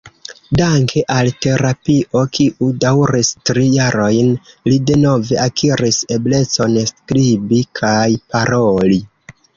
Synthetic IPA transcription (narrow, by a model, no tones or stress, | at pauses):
daŋkʰe̞ʔalte̞ɾapiʔo̞kiʔudawɾistɾijaɾo̞jnlide̞no̞ve̞akʰiɾise̞ble̞t͡so̞nskɾibikʰajpaɾo̞li